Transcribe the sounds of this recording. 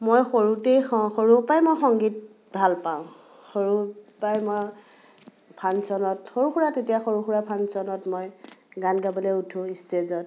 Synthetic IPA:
mojxoɹutejxɔxoɹupajmojxɔŋɡit̚ | bʱalpaʊ̃ | xoɹupajmɔ | pʰansɔnɔtxoɹuxuɹatetijaxoɹuxuɹapʰansɔnɔtmojɡanɡabɔleutʰũistezɔt̚

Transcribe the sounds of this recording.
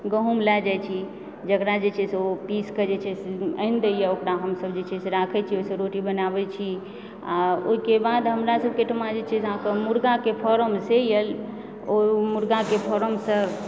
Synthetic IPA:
ɡəɦumlɛd͡ʒajt͡ʃʰi | d͡ʒəkɾad͡ʒet͡ʃʰɛseopiskəd͡ʒet͡ʃʰɛseə̰nd̪əjaokɾaɦəmsəbd͡ʒet͡ʃʰɛseɾakʰɛt͡ʃʰioisəɾoʈibənabɛt͡ʃʰi | a̰oikebad̪ɦəmɾasəb̚keʈʰmad͡ʒet͡ʃʰɛsɦãkəmuɾɡakepʰɔɾəmsejəl | omuɾɡakepʰɔɾəmsə

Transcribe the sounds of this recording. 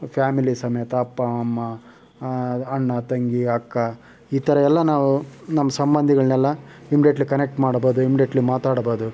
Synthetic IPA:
pʰjaːmilisɐmɐjɐt̪ɐːpːɐɐmːɐ | ɳːɐt̪ɐŋɡiɐkːɐ | iːt̪ɐɾɐɛlːɐnaːʋunɐmːɐsɐmbɐnd̪ʱiɡɐɭnɛlːɐimiɖjeʈlikɐnek̚ʈmaːɽboːd̪uimːiɖijeʈɐlimaːt̪aːɽboːd̪u

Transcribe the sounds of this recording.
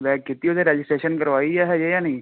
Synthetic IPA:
ʋɛːkɪt̪ːiod̪eɾɛːd͡ʒɪsʈɾeːʃənkɐɾʋaːijɛɦɛjejanɦĩ

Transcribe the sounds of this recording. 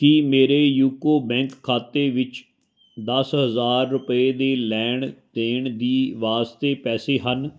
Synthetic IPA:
kɪmeːɾeːjuːkoːbɛ̃ːŋkʰːaːt̪eːʋɪt͡ʃ | d̪əsɦəzaːɾːʊpəeːd̪eːlɛːɳd̪̥eːɳd̪iːʋaːst̪eːpɛːseːɦən

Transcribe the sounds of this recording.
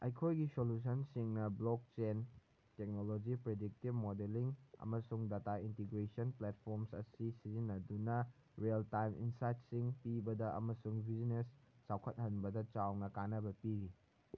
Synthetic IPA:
ɐ̰jkʰojɡisolus̬ɐnsiŋnɐblok̚t͡ʃen | tek̚nolod͡ʒipɾedik̚tibmodeliŋɐ̰mɐsuŋdataintiɡɾesɐnplet̚pʰoɾmsɐ̰sisizinːɐdunɐ | ɾeltajmḭnsajt̚siŋpibɐdɐʔɐ̰mɐsuŋbʱizinesːawkʰɐt̚hɐnbɐdɐt͡ʃawnɐkanɐbɐpiɡi

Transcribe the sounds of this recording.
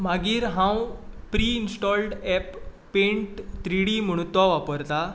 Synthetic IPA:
maɡiːɾɦãwpɾiːinsʈɔlɖɛpː | ẽɳʈt̪ɾiɽiːməɽ̃ut̪ʋɔʋapəɾt̪a

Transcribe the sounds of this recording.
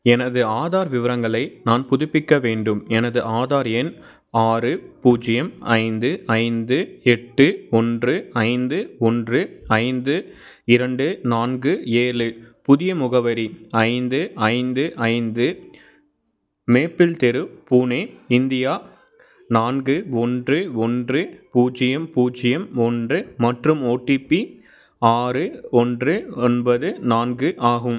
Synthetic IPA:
ɛnɐðɯaːðaːɾʋɪʋɐɾɐŋɡɐɭɐɪnaːnpʊðʊpːɪkːɐʋeːɳɖɯmɛnɐðɯʔaːðaːɾɛn | aːɾɯpuːd͡ʒɪjɐmɐ̰ɪnd̪ɯɐɪnd̪ɯɛʈːɯɔndrɯɐɪnd̪ɯɔndrɯɐɪnd̪ɯ | ɪɾɐɳɖɯnaːnɡɯeːlɯpʊðɪjɐmʊɣɐʋɐɾiɐɪnd̪ɯɐɪnd̪ɯʔɐɪnd̪ɯ | meːpːɪlt̪ɛɾɯpuːneːɪnd̪ɪjaː | naːnɡɯɔndrɯɔndrɯpuːt͡ʃːɪjɐmpuːt͡ʃːɪjɐmɔndrɯmɐʈrɯmoːʈːipːi | aːɾɯɔndrɯɛnbɐðɯnaːnɡɯʔaːɣɯm

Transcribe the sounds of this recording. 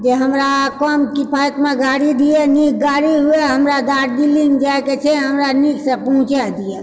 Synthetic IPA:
d͡ʒeɦəmɾakɔːmkipʰaːjkmẽɡaːɽid̪ieniːk̚ɡaːɽiɦʊeɦəmɾad̪aːɾd̪ilĩŋɡd͡ʒaket͡ʃʰɛɦɐmɾaniːksepɔɦʊ̃t͡ʃad̪ie

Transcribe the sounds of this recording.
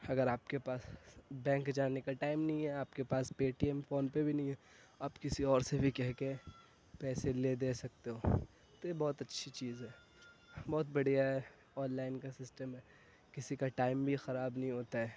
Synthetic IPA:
ɐɡəɾaːp̚kepaːsbɛ̃ːŋkd͡ʒaːnekaʈaːɪmnɐɦĩɦɛaːpkepaːspeːʈiɛmfoːnpebʱinɐɦĩɦɛː | aːpkɪsiɔːɾsebʱikɛɦke | pɛːseled̪eːsɐk̚t̪eɦoː | t̪ojebɔːt̪ɐtːʃʰit͡ʃiːzɦɛː | bɔːt̪bɐɽijaɦɛ | ɔːnlaːɪnkasɪsʈəmɦɛ | kɪsikaʈaːɪmbʱixɐɾaːbnɐɦĩɦoːt̪aɦɛː

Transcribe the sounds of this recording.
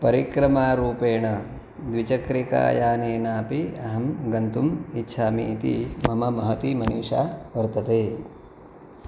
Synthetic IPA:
pɐɾikɾɐmaːɾuːpeːɳɐ | d̪ʋit͡ʃɐkɾika̰ːjaːneːnaːpiɐɦɐmɡɐnt̪umitːʃʰaːmiːt̪ḭmɐmɐmɐɦɐt̪imɐnuːʂaːʋɐɾt̪ɐt̪eː

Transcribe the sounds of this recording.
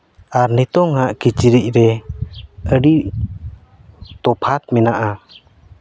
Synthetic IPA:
aɾnit̪ɔŋaʔkit͡ʃiɾic̚ˀɾɛ | əɾi | t̪ɔpʰat̪̚mɛnaʔa

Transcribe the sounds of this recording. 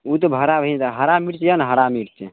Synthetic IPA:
ut̪ɔbʱəɾabʱəɦint̪aɦəɾamiɽt͡ʃjanɦəɽamiɽt͡ʃʰɛ

